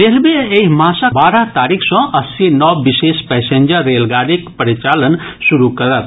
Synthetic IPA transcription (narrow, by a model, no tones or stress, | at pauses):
ɾeːlbeemãːsabaːɾat̪aːɾikʰsɔ̃ʔɐsːinɔːbɪʃeːʃpɛːsẽːɲd͡ʒəɾːeːlɡaːɾikpəɾɪt͡ʃaːlənʃʊɾukɐɾət̪̚